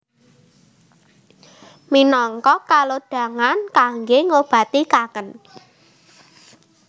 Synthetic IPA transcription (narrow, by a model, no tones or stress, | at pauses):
minɔŋkɔkaloɖ̥ä̤ŋankaŋɡeŋob̥ä̤t̪ikakən